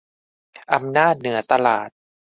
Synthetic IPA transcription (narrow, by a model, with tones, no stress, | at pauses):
ʔa˧mnaː˥˩t̪̚nɯ˩˦ɐt̪a˧laː˨˩t̪̚